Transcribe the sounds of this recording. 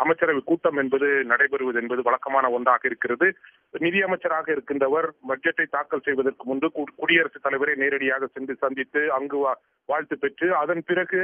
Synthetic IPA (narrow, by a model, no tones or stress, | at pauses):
ɐmɐɪt͡ʃːɐɾɐʋɪkuːʈːɐmɛnbɐðɯnɐɽɐɪpɛɾɯʋɐðɛnbɐðɯʋɐɭɐkːɐmaːnɐɔɳɖaːɣɐɪɾɯkːɪrɐðɯ | nɪðɪjɐmɐɪt͡ʃːɐɾaːɣɐɪɾɯkːɪndrɐʋɐɾbɐɖ̚d͡ʒɐʈːɐɪt̪aːkːɐlsɛjʋɐðɐrkɯmʊndɯkʊɽɪjɐɾɐsɯt̪ːɐlɐɪʋɐɾeːneːɾɐɽɪjaːɣɐsɛndɯsɐnd̪ɪt̪ːɯɐŋɡɯ | ʋaːɻt̪ɯpɛʈrɯɐðɐnpɪrɐɣɯ